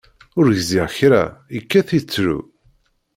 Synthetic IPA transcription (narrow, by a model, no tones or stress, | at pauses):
ʊɾʝziʁçɾæ̰ikːæθit͡sːɾṵ